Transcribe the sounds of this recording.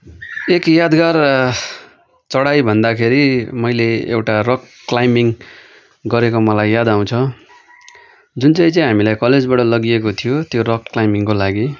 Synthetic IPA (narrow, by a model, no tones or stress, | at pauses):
ekjad̪ɡar | t͡sʌɽajbʱʌnd̪akʰeɾimʌjleḛwʈarʌk̚ | klajmiŋ | ɡʌɾekomʌlajːad̪aw̃t͡sʰʌ | d͡zunt͡saj̃t͡saĩɦamilajkʌled͡zbaʈʌlʌɡiekot̪ʰijot̪joɾʌkklajmiŋkolaɡi